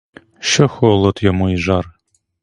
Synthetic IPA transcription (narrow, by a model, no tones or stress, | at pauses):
ʃɔxɔlˠɔt̪jɔmuiʒɑr